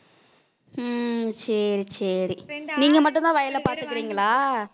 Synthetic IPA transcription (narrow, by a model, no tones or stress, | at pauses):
sɐɾisɐɾiniːŋɡɐmɐʈːɯnt̪ãːʋɐjɐlɐpaːɾt̪ɯkːɪɾiːŋɡɐɭaː